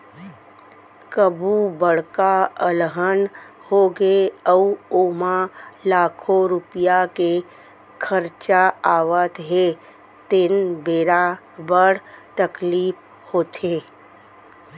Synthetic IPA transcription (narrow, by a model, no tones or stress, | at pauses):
kəbʱubəɽkaəlɦən | hoɡeəuoːmalaːkʰoɾʊpɪjake | kʰəɾt͡ʃaaːʋət̪ɦe | t̪ɪnbeːɾa | bəɽt̪əkliːp | hoːt̪ʰeː